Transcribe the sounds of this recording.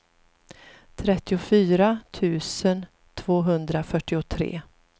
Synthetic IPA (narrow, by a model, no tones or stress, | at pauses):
t̪ʰɾɛt̪ːɪʊfyːɾat̪ʰʉ̟ːsən | t̪ʰvoːɦɵnd̪ɾafœʈːɪʊt̪ʰɾḛː